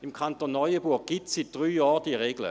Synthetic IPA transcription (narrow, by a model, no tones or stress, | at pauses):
imkʰantonːɔjəbuɐk̚ɡ̥itssit̚d̥ʁyːjɑːʁd̥iʁeɡlə̰